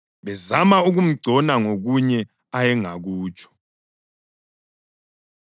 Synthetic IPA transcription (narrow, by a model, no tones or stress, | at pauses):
βɛzamauɣum̩ɡ͡ǀʱɔnaŋoɣuɲɛ | ajɛŋaɣuːt͡ʃʰʼɔ̥